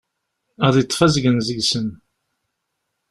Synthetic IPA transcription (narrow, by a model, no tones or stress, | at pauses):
əʁðit͡s̪ˤːfæzɡənzəɡsən